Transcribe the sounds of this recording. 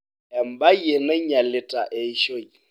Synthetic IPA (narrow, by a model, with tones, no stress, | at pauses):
ɛ˨m̩˨ba˦je˨nɛ˦ɲa˨lɪ˨tʼa˨ʔe˨i˦ʃo˦i˨